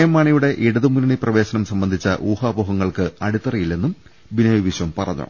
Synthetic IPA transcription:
jɐmːaːɳijuɽe̞ʔiɽɐðumunɐɳiprɐʋe̞ːɕɐnɐmsɐmbɐnd̪ʱit͡ɕːɐʔuːhaːboːɦɐŋːɐɭkɨɐɽut̪ːɐrijilːe̞nːum | binɐʋiʋiɕʋɐmpɐrɐ̰ɲːṵ

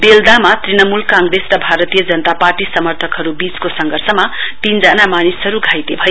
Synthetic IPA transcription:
beld̪amat̪rinʌmulkaŋɡresrʌbʱaɾʌt̪ijʌd͡zʌnt̪aparʈisʌmʌrt̪ʰʌkɦʌɾubit͡skosʌŋɡʱʌrsʌmapind͡zanamanisʌɾuɡʱajt̪ebʱʌj

